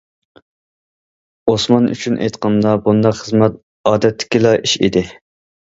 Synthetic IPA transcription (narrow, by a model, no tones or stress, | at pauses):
osmɑny̰t͡ʃʰynʔḛjt̪qɑnd̪ɑbund̪ɑqχəzmɛt̪̚ | ɑːd̪ɛt̪ʰːɪ̥kʲilɑʔiʃḭd̪ɪ